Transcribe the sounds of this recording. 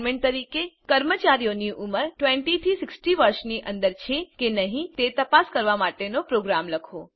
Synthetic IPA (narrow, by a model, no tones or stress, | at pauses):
mẽɳʈt̪əɾikekəɾmət͡ʃaɾijoniʔuməɾʈʋeɳʈit̪ʰisɪksʈiʋəɾʃniʔənd̪əɾt͡ʃʰekenəɦĩt̪et̪əpaskəɾʋamaʈenopɾoɡɾamləkʰo